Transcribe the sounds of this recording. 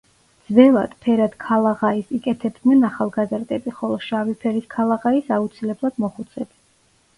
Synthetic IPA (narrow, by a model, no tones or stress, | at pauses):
d̪z̥vɛlˠa̰d̪̥pʰɛɾad̪̥kʰalˠaʁaisikʼɛt̪ʰɛbd̪nɛnaχalˠɡazɾd̪ɛbiχɔlˠɔʃavipʰɛɾiskʰalˠaʁaisaut̪sʰilɛblˠad̪̥mɔχut̪sʰɛb̪i